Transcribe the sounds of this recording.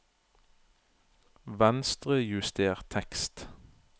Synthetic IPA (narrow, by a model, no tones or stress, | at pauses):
ʋænst̪ʁəjʉst̪ʰeːʁt̪ʰɛkst̪